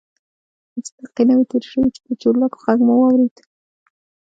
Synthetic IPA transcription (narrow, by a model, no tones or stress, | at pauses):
mʊst̪aqinawit̪eɾʃəwit͡ʃɪ̥p̪ət͡ʃolako̥χaŋɡmawɑwɾed̪